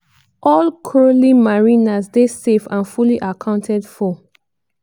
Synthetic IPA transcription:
ʔɔlkʰɹolimaɹinasdesefãnfuliʔakʰãʊ̃ntʰɛdfɔ

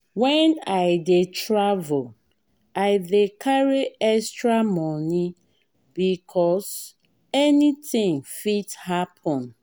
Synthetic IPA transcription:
wɛ̃naɪdetɹavul | aɪdekʰaɹiɛstɹamɔni | bikʰɔs | ɛnitĩŋfithapʰɔ̃n

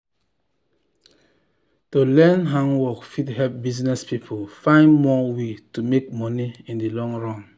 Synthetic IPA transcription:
tolɛ̃nɦãŋwɔkfidhɛp̚biznɛspipʰolfãɪ̃nmɔwetumek̚mɔniĩndilɔ̃ŋɹɔ̃m

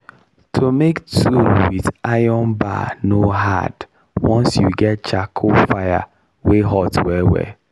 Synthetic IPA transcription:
tʰomektʰuwiðajɔnba̰noɦa̰d̥ | wɔ̃nsjuɡɛt̚t͡ʃakʰofaja̰ | weɦɔtwɛwɛ̰

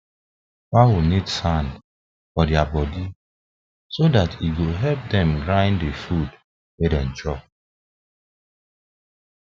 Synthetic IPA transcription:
wawunidsãnd | fɔdjabɔdi | sodatiɡoɦɛlp̚dɛ̃mɡɹaɪ̃ndefud | wedɛ̃n̩t͡ʃɔp̚

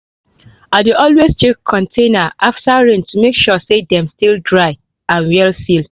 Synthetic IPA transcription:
adeʔɔlwest͡ʃekʰːɔ̃ntʰẽnaʔaftaɹẽntumekʃɔsedɛ̃mstildɹaɪ | ãnwɛlsil

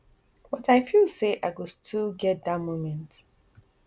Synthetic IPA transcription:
wɔtaɪfilˠseʔaɪɡostʰilɡɛt̚datmomɛ̃nt

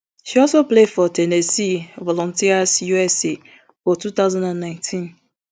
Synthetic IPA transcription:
ʃiɔsoplefɔtenesivɔlɔ̃ntiasjuɛse | fɔtut̪aʊzãndãnːãɪ̃ntʰĩn

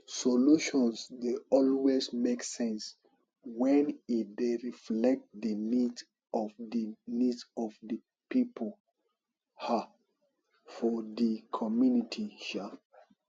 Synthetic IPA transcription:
sɔluʃɔ̃nsdeɔlwesmeksɛ̃ns | wɛ̃nitdeɹiflɛk̚t̚dənids | ɔvdənidsɔvdə | pipʰol | ha | fɔdikʰɔmjunitʰiʃa

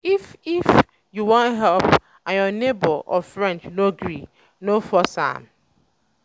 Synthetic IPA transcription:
ifif | juwɔ̃ntɦɛlp | ãnjɔnebɔʔɔ̰fɹɛ̃nt͡ʃnoɡɹi | nofɔsã̰m

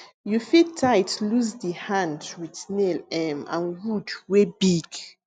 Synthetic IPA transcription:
jufitʰːaɪtluzdəhãndwiðnelɛ̃mã̰nwudwebiɡ̥

